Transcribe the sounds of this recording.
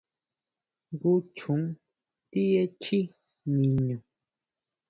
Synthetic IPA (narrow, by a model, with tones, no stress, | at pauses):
ŋ˦ɡu˦t͡ʃu˨˦ŋ | ti˦je˦t͡ʃi˦ | ɲĩ˨ɲu˨